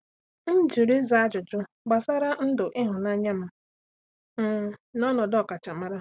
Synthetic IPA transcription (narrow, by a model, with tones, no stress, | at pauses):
n̩˦d͡ʒi˨ɾi˦za˨a˦d͡ʒʊ˨t͡ʃʊ˦ | ɡ͡ba˨sa˦ɾa˦n̩˦dʊ˨ʔɪ˦ɦʊ˨na˦ɲa˦ma˨ | m̩˨nɔ˦nɔ˨dɔ˦˨ka˨t͡ʃa˨ma˦ɾa˦